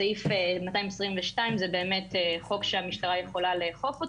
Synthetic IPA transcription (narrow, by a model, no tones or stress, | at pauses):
aifemataimesʁiɱveʃtaimzebe̞ːmeteχo̞kʃeamiʃtaʁajeχo̞laleχo̞fot